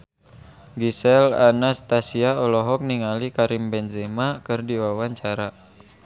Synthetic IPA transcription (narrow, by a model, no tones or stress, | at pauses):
ɡisɛla̰nast̪asiaɔlɔɦɔk̚niŋalikaɾimbɛnzɛmakɨrdiwawaɲt͡ʃaɾa